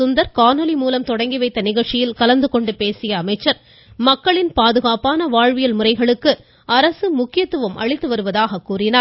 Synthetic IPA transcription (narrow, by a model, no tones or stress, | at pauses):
ʊnd̪ɐɾkaːnɔlimuːlɐmt̪ɔɽɐŋɡiʋɐɪt̪ːɐnɪɣɐɭt͡ʃːɪjɪlkɐlɐnd̪ɯkɔɳɖɯpeːsɪjɐːmɐɪt͡ʃːɐɾ | mɐkːɐɭɪnpaːðɯɣaːpaːnɐʋaːɻʋɪjɐlmʊrɐɪɣɐɭɯkːɯ | ʔɐɾɐsɯmʊkːɪjɐt̪ːɯʋɯmʔɐ̰ɻɪt̪ːɯʋɐɾɯʋɐðaːɣɐkːuːrɪnaː